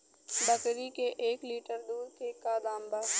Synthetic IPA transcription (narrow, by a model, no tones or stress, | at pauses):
bəkɾikeʔeːkliːʈəɾd̪uːɾkekaːd̪aːmbaː